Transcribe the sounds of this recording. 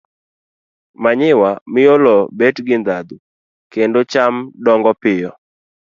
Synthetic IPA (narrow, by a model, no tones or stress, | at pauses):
maɲɪwamɪjolɔbetɡɪnd̪ad̪u | kendot͡ʃamdɔŋɡɔpɪjɔ